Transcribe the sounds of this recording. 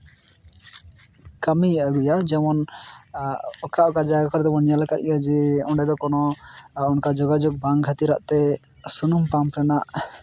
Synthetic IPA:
kəmiəɡujad͡ʒɛmɔn | ɔkaʔɔkad͡ʒaɡakɔɾd̪ɛmɔnjaləkat̪̚ijad͡ʒɛɔɳɖɛd̪ɔkɔnɔunkad͡ʒɔɡad͡ʒɔɡ̚baŋkʰat̪iɾa̰ʔt̪ɛ | sunumpampɾɛnaʔ

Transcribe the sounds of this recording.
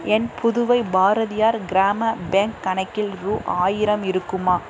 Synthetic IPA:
ɛnpʰʊðʊʋɐɪbaːɾɐðɪjaːɾɡɪɾaːmɐbeːŋkːɐnɐɪkːɪlɾuːʔaːjɪɾɐmɪɾɯkːɯmaː

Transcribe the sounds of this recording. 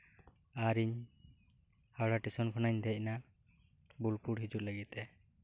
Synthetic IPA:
aɾiɲ | hawɽaʈisɔnkʰɔnaɲd̪ɛc̚na | bulpuɽɦid͡ʒut̪̚ləɡit̪ɛ

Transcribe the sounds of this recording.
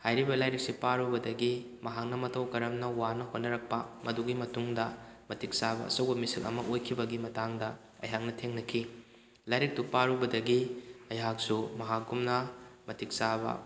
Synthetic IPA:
hajɾibɐlajɾek̚sipaɾubɐdɐɡi | mɐɦak̚nɐmɐtʰɐwkɐɾɐmnɐwanɐɦonːɐɾɐk̚pɐmɐduɡimɐtuŋdɐmɐtik̚sabɐ̰ɐ̰sɐwbɐmisilɐ̰mɐʔojkʰibɐɡimɐtaŋdɐ | ɐ̰jɦak̚nɐtʰeŋnɐkʰi | lajɾek̚tupaɾubɐdɐɡiɐjɦak̚sumɐɦak̚ɡumnɐmɐtik̚sabɐ̰

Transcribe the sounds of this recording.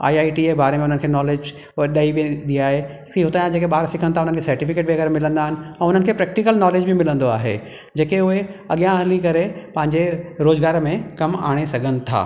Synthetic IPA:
a̰ːiaːiʈiebaːɾemẽʊn̤ənɪ̆kʰeːnɔːleːd͡ʑ | ɗaibẽd̪iaːɦe | kiɦʊt̪ajãd͡ʑeːkeɓaːɾsɪkʰənt̪ʰaʊn̤ənkʰeːsɐɾʈifɪkeːʈ̚ʋiɐɣɛːɾmɪlə̃nd̪aːɦɪnɪ̆ɛ̃ːʊn̤ənɪ̆kʰeːpɾɛːk̚ʈɪkəlnɔːleːd͡ʑbʱimɪlə̃nd̪oaːɦḛ | d͡ʑeːkeʊɦeɐɠijãɦlikɐɾepɐ̃ɦɪ̃ɲd͡ʑeɾoːzɡaːɾmẽkɐma̰ːɽ̃esɐɡʱənɪ̆t̪ʰa̰ː

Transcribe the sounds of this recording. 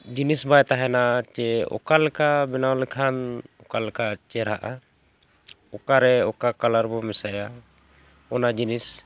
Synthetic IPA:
d͡ʒinisbajt̪aɦɛnat͡ʃɛɔ̰kalkabinawlɛkʰanɔkalkat͡ʃɛɾɦaʔa | ɔkaɾɛɔkakalaɾbɔmɛsaja | ɔnad͡ʒinis

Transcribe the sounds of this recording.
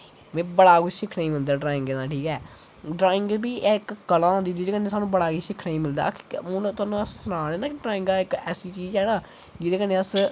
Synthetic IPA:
mɛ̃ːbəɽaːɡud͡ʒʃɪkʰːnəiːmɪld̪aːɖɾaːɪ̃ŋɡeːnãːʈʰiːkɛː | ɖɾaːɪ̃ŋɡbiːʔɛːɪkːəlãːnd̪iːd͡ʒɪeːkənːeːsaːnũːbəɽaːɡiːʃɪkʰːnaĩːmɪld̪a̰ːkːʊnt̪ʊaːnũːəssʊnaːɽeːnãːkʈɾaːɪ̃ŋɡ̪aːɪkɛːsiːt͡ʃiːd͡ʒɛːnãː | d͡ʒɪd̪eːkənːeːəs

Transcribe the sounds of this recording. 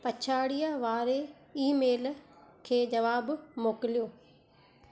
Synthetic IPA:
pɐt͡ɕʰaːɽijaʋaːɾe | iːmeːlkʰeːd͡ʑɐʋaːbmoːkɪlijoː

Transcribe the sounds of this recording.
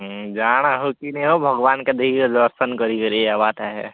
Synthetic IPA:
d͡ʒaːɽ̃aɦokineobʱɐɡʋaːnked̪ʱid̪əɾsənkəɾikəɾiabaːt̪aɦɛ

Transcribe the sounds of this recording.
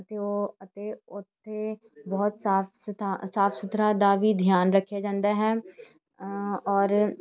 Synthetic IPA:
ət̪eoːət̪eːʊt̪ʰːe | bɔːt̪saːpst̪asaːpʰsʊt̪ɾad̪aːʋiːd̪ʱjaːnɾəkʰːjaːd͡ʒãːnd̪aːɦɛː | ɔːɾ

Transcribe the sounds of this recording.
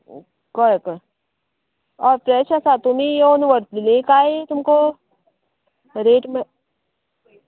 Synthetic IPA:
kɔɾekːɾ | ɔːɾpɾɛːʃasat̪ʊmijoːnuʋəɾt̪lilẽkaːet̪ʊmko | ɾeːʈmẽ

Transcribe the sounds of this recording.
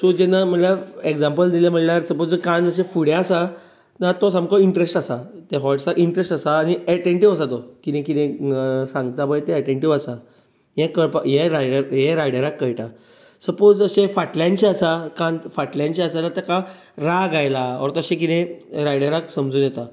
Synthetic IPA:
sud͡ʑɛnːam̤əlaeɡd͡zãmpəld̪iljem̤əʈljaɾsəpod͡zkãnəɕẽfuɽẽasa | nat̪ɔsãmkɔiɳʈɾesʈasat̪eɦɔʈsakiɳʈɾesʈasaːniɛʈeɳʈiʋasat̪ɔkinẽk̬it̪ẽsãŋɡ̚t̪abəjt̪eːʈeɳʈiʋasa | jẽkəɽpəjẽɾajɽəɾjẽɾajɽəɾakːəjʈa | səpod͡zəɕẽfaʈljãnt͡ɕiasakãnfaʈljãnt͡ɕiasalat̪ɛka | ɾaɡajlaɔ̰ɾt̪əɕẽk̬it̪ẽɾajɽəɾaksəmd͡zuːnjɛt̪a

